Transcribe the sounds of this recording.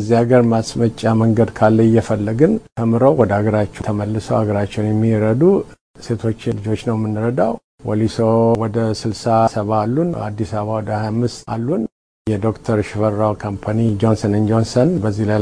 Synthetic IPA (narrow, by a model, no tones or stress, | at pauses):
zːiaɡəɾmasmət͡ʃʼːaməŋɡəd̪kʰalːəɪjːɛfəlːəɡɨnt̪ʰəmɨɾəwwɔd̪əaɡəɾat͡ʃːɛt̪ʰəməlːɨsəwaɡəɾat͡ʃːɛwnjɛmːiɾəd̪u | se̞t̪ʰo̞t͡ʃːɪlɨd͡ʒo̞t͡ʃːnəwmːɨnːɨɾəd̪aw | wolisowɔd̪əsɨlsasəβaːlːuna̰d̪ːisaβawɔd̪əhajamːɨst̪alːun | jɛd̪o̞kt̪ʰəɾʃɪfəɾːawkʰompʰanid͡ʒonsənɨnd͡ʒonsənbəzːihlaj